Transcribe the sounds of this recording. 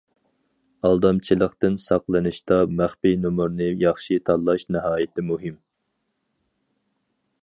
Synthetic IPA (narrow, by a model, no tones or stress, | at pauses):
ɑlˠd̪ɑmt͡ʃʰilˠəχt̪ɨnsɑqlˠɨnɨʃt̪ɑmæχpinumuɾnɨjɑχʃit̪ʰɑlˠːɑʃnɨɦɑːjɪt̪ʰɪmuɦɪm